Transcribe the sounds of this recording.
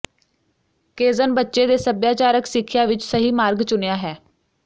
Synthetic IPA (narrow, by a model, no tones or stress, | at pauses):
keːzənbətːʃeːd̪eːsəbjaːt͡ʃaːɾəksɪkʰːɪjaːʋɪt͡ʃsəɦiːmaːɾɡt͡ʃʊnejaːɦɛː